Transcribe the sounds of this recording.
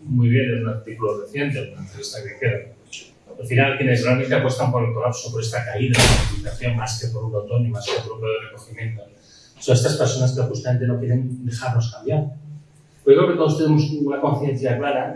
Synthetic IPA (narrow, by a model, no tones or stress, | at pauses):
muijβje̞nenunaɾt̪ikuloreθje̞nt̪eonant̪ɾeist̪akekeða | alfinalkjenerealme̞nt̪eapwo̞st̪ampoe̞lko̞lapso̞poɾe̞st̪akaiðaok̪uik̪aθjo̞ŋmaskepo̞ɾuot̪o̞nimaskepoɾok̪ɾoðelreko̞ximje̞nt̪o | soest̪aspeɾso̞naskeoxust̪ame̞nt̪e̞no̞kje̞ɾe̞nd̪e̞xaɾno̞skambjaɾ | poɾeoket̪o̞ð̞o̞st̪e̞ne̞mo̞sunako̞nθje̞n̟θjaklaɾa